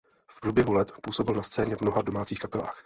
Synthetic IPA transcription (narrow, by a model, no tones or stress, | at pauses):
fpɾuːbjɛɦulɛt̪puːso̞bɪlnast͡sɛːɲɛvmno̞ɦado̞maːt͡siːxkapɛla̰ːx